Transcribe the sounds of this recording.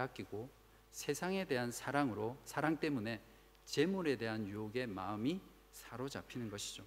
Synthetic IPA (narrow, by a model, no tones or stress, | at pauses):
ak͈iɡo | sʰe̞sʰaŋe̞deɦansʰaɾaŋɾosʰaɾaŋt͈e̞mune̞ | t͡ɕe̞muɾe̞de̞ɦanjuoɡe̞maɯmi | sʰaɾod͡ʑapʰinɯnɡʌɕʰid͡ʑo